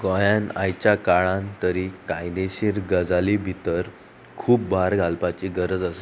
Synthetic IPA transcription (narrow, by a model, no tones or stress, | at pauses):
ɡɔ̃jãnajt͡ɕjakaɭãnt̪əɾikãjneɕiɾɡəd͡zalibʱit̪əɾ | kʰuːpbaɾɡʱalpat͡ɕiɡəɾəd͡zase